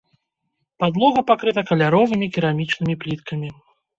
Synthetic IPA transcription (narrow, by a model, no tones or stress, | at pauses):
pad̪lˠɔɣɐpakɾɨt̪ɐkɐlʲaɾɔvɨmʲikʲiɾamʲit͡ʂnɨmʲiplʲit̪kɐmʲi